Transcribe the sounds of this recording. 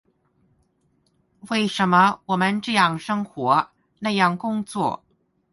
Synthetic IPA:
we˥˩ɪʂə˧˥nmə˧wɔ˨˩mə˦nʈ͡ʂɤ˥˧jɑ˥˩ŋʂɤ˥ŋxwɔ˧˥ | na˥˧jɑ˥˩ŋkʊ˥ŋt͡swɔ̰˥˩

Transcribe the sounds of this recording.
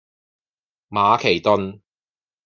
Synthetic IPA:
maː˨˧kʰe˨˩jt̪ʊ˨˧n

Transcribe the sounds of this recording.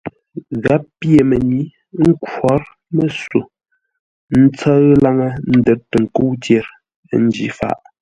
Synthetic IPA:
ɣa˨˦ppje˨me˨ni˨˦ | ŋ̩˦kwɔ˨˦ɾ | mə˦su˨ | n̩˦t͡sa˦ɣla˦ŋə˦n̩˦də˨tːə˨ŋ̩˨ko˦wtje˨ɾ | n̩˦d͡ʒḭ˨˦fa̰˦˨ʔ

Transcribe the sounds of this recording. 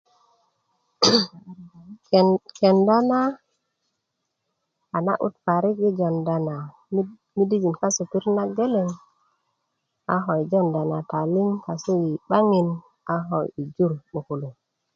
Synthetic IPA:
ke˨nda˦na˦ | a˨na̰˦ʔṵ˦t̪fa˨ɾi˦k̚ɡi˦d͡ʒo˨nda˨na˨˦ | mi˦di˦d͡ʒi˨nka˦su˨pi˦ɾna˦ɡe˦le˨ŋ | a̰˨ɦo˨jd͡ʒo˦˨nda˨na˨ta˨li˦ŋka˨su˦ji˨ɓa˦ŋi˨n | a˨ɦo˨ji˨d͡ʒu˦ɾɓu˨ku˨lu˨ŋ

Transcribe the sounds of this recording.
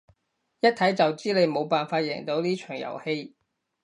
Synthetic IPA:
jɐ˥t̚t̪ʰːɐ˨˥jt͡sɐ˨wt͡siː˥le˨˧jmo˨˧wpaː˨nfaː˧t̚jɛ̰ː˨˩ŋt̪o˨˥wliː˥t͡ʃʰœ̥ː˨˩ŋjɐ̰˨˩whe˧j

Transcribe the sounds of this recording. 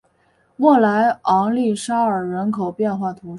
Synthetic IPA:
wɔ˥˩la˧˥ɪɑ˧˥ŋli˥˩ʂa˥ə˞˨˩ɻə˧˥nkʰo˨˩ʊpjɛ˥˧nxwa˥˩t̪ʰu˧˥ʂ

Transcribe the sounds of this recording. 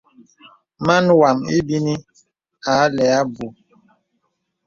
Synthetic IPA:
ma˦nwa˨ŋi˦bi˦ni˦ | a˨˦lɛ˨a˦bu˨

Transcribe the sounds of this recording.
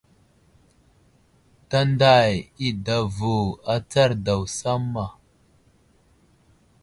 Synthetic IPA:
ta˦nda˦˨ji˦da˨vu˨a˦t͡sa˦ɾda˨wsa˦mːa˨

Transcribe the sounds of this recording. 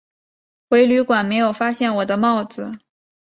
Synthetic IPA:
xwe˧˥ɪly˧˥kwa˨˩nme˧˥ɪjo˨˩ʊfa˥ɕjɛ˥˩nwɔ˨˩d̪ə˦mɑ˥˩ʊd͡zɹ̩˨˩

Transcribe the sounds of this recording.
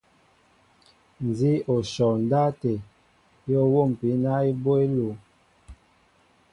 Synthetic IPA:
n˨zi˦o˨ʃɔ˨n˨da˦te˨ | jɔ˦wo˦˨m̩˨pi˨˦na˦i˦bo˦e˦lo˨

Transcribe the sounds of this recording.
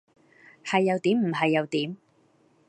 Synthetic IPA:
hɐ˨jːɐ˨˧wt̪iː˨˥mm̩˨˩ɦɐ˨jːɐ˨˧wt̪iː˨˥m

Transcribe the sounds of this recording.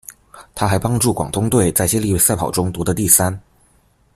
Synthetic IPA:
t̪ʰa˥xa˧˥ɪpɑ˥ŋʈ͡ʂu˥˩kwɑ̰˨˩ŋt̪ʰʊ˥ŋt̪we˥˩ɪt͡sa˥˩ɪɕjɛ˥li˥˧wsa˥˩ɪpʰɑ˨˩ʊʈ͡ʂʊ˥ŋt̪wɔ˧˥d̪ə˧t̪i˥˩sa˥n

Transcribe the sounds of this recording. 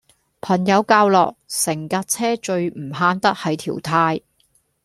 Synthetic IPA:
pʰɐ˨˩njɐ˨˧wkaː˧wlɔ̰ː˨k̚sɪ˨˩ŋkaː˧t̚t͡sʰɛː˥t͡ʃɵ˧ɥm̩˨˩ɦaː˧nt̪ɐ˥t̚hɐ˨˧˥jt̪ʰḭː˨˩wt̪ʰaː˧j

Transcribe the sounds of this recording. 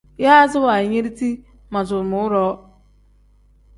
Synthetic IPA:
ja˦a˦zʊ˦wa˨i˨ɲe˦ɾi˦ti˦ | ma˨zʊ˨mʊ˨ʊ˦ɾɔ˦

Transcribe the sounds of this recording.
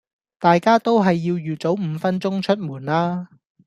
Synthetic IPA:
t̪aː˨jkaː˥t̪o˥wɦɐ˨jːiː˧wjyː˨˩t͡so˨˥wm̩˨˧fɐ˥nt͡sʊ˥ŋt͡ʃʰɵ˥t̚muː˨˩nlaː˥

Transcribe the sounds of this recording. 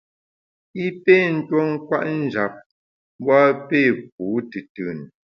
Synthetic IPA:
i˦pe˦˨n̩˦twɔ˦ŋ̩˦kwa˦ʔn̩˦˨d͡ʒa˨p̚ | bwa˦pe˦˨p̚u˨˦tɨ˨tɨ˨n

